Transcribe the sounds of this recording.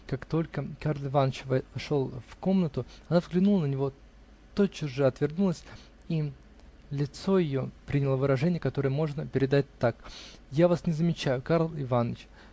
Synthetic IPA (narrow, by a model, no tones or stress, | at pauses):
kakt̪o̞lʲkəkarlˠɪvanːət͡ɕvʂo̞lˠfko̞mnət̪ʊɐnavzɡlʲɪnulˠənənʲɪvo̞ | t̪ot͡ɕːʊʐɨɐt̪vʲɪrnulˠəsʲ | i | lʲɪt̪so̞jɪjo̞pɾʲinʲɪlˠəvɨɾɐʐɛnʲɪjəkɐt̪o̞ɾɨjəmo̞ʐnəpʲɪɾʲɪd̪at̚ʲt̪ːakjavasnʲɪzəmʲɪt͡ɕæjʊkaɾlˠɪvanət͡ɕ